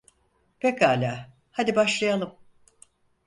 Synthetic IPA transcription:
pʰekaːlʲaː | had̪ibaʃlˠajalˠɯm

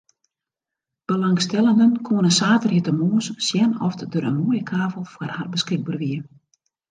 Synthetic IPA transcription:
b̥əlaŋstɛlˠəndənkʰoənəsaːtərjitəmoːəssjɛnɔ̰ftdøɾənmuəjəkʰaːvəlˠfwarharbəskɪɡ̚bərʋiə

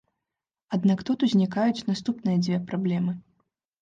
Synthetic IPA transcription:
ad̪nakt̪ut̪uzʲnʲikajut͡sʲnast̪upnɨjɐd͡zʲvʲɛpɾablʲɛmɨ

